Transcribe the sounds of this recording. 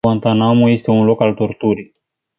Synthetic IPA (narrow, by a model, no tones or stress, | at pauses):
ant̪anamuje̞st̪e̞unlo̞kalt̪o̞rt̪uɾij